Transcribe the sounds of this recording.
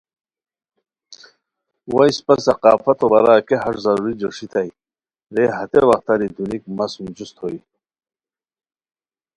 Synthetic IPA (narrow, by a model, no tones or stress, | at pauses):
wajspɐsɐqɑ̰ːfɐt̪obɐɾaːkeɦɐɾzɐɾuɾid͡ʑoʂit̪ʰaj | ɾeɦɐt̪ewaxt̪aɾid̪unikmɐsund͡ʑust̪ʰhoi